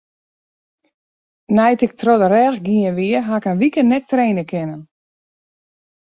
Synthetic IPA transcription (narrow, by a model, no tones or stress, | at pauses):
nɛjtɪk̚trɔdəɾɛːxɡiənʋɪəɦakənʋikənnɛt̚reːnəkʰɪnən